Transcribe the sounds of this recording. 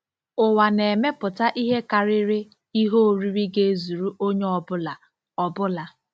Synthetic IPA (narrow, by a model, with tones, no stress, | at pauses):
ʊ˨wa˨ne˨me˦pʊ˨ta˦ʔi˦ɦe˦ka˨ɾɪ˦ɾɪ˦ | i˦ɦo˦˨ɾi˦ɾi˦ɡe˦zu˨ɾu˦ʔo˦ɲe˦ɔ˨bʊ˦la˨ | ɔ˨bʊ˦la˨